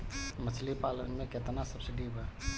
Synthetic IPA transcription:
mət͡ʃʰlipalə̰nmẽket̪nasəbsɪɖibʱɛː

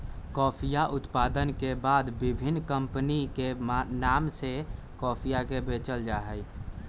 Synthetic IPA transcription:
kɔːpʰijaʔʊt̪pad̪ənkebaːd̪bibʱinːkəmpnikenaːmse | kɔːpʰijakebet͡ʃəld͡ʒaɦəj

